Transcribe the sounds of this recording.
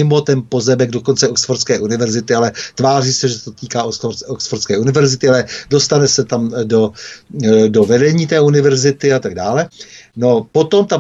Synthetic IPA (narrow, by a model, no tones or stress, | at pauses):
ɪmo̞t̪ɛnpo̞zɛbɛɡ̚dokont͡sɛoksfoɾskɛːʔunɪvɛɾzɪt̪ɪalɛt̪vaːriːsɛʒɛt̪ot̪iːkaːosoksfoɾskɛːunɪvɛɾzɪt̪ɪalɛdo̞st̪anɛsɛt̪amdo̞ | do̞vɛdɛɲiːt̪ɛːunɪvɛɾzɪt̪ɪat̪aɡ̚daːlɛno̞po̞t̪o̞mt̪a